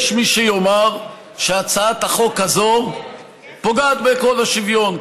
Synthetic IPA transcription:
ʃmiʃejomaʁ | ʃeat͡saat̪haχo̞kazo | poɡaːt̪beko̞laʃivjo̞n

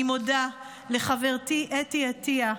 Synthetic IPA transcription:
imoda | leχaveʁtiʔetiatia

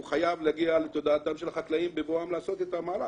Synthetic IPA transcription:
uχajavlaɡiale̞t̪o̞d̪aːt̪amʃe̞laχaklaimbevoamlaːso̞t̪et̪amaːɾa

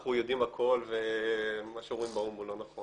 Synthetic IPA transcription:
χujo̞d̪imakʰo̞lvemaʃeuimbaumulo̞naχo

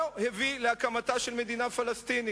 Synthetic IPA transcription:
hevileakamataʃelme̞d̪inafalast̪ini

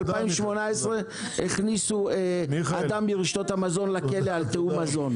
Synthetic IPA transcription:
laimʃmo̞naesʁe | eχnisuead̪amiʁiʃt̪ot̪hamazo̞nlake̞lealt̪eumazo̞n

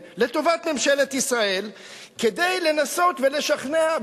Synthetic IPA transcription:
le̞t̪o̞vat̪me̞mʃe̞let̪isʁae̞l | ked̪e̞jle̞naso̞t̪ve̞le̞ʃaχnea

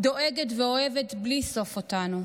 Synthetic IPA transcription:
d̪o̞ʔeɡetveo̞eve̞tbliso̞fotanu

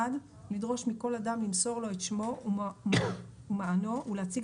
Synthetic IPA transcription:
ad | lidʁo̞ʃmiko̞ladamlimso̞ʁlo̞et̪ʃmo̞ | umaano̞uleat͡siɡ

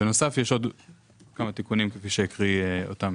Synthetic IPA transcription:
beno̞safjeʃo̞d̪ | kamat̪ikunimkefiʃejikʁio̰t̪am

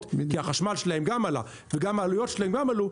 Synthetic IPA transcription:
kiaχaʃmalʃelahe̞mɡamala̰ | veɡamaːlujo̞tʃelahe̞mɡamalu

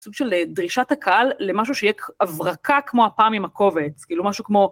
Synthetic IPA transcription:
suɡʃeledʁiʃathakaʔalːemaʃ̬uʃejɛkavʁakakmo̞apaːmimako̞vet͡skiːlumaʃukmo̞

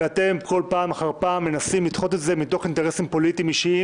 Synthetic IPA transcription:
ate̞mko̞lpaːmaχaʁpaːmːe̞nasimlit̪χo̞t̪etze̞mit̪o̞χinte̞ʁesimpo̞lit̪imiʃii

